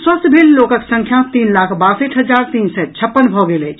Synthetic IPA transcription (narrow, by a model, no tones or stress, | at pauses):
swəst̪ʰbʱelːokəksə̃ŋkʰjãt̪inlakʰbasəʈʰɦəd͡ʒaɾt̪iːnsɛt͡ʃʰəpːənbʱɔɡelɛt͡ʃʰ